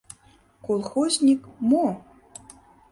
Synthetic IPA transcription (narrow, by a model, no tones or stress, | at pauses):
kolˠxozʲnʲikmo